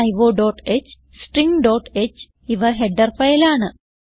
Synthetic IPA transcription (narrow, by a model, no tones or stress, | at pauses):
ɐjʋoːɖoːʈet͡ɕː | sʈriŋɡɖoːʈet͡ɕː | iʋɐɦeɖːɐrfɐjilaːɳɨ